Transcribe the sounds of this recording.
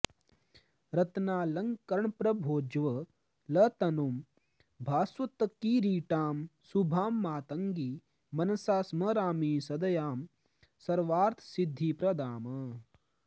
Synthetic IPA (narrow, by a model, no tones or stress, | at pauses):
ɾɐt̪naːlɐŋkɐɾɳpɾɐbʱoːd͡ʒʋɐ | lɐt̪ɐnoːm | bʱaːswɐt̪ɐkiːɾiːʈaːmsubʱaːmːaːt̪ɐŋɡiː | mɐnɐsaːsmɐɾaːmiːsɐd̪ɐjaːm | sɐɾʋaːɾt̪ʰsid̪ʱːiːpɾɐd̪aːmɐ